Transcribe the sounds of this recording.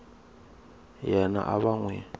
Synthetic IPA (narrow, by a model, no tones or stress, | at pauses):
jɛna̰ʔaβaŋwɛ̰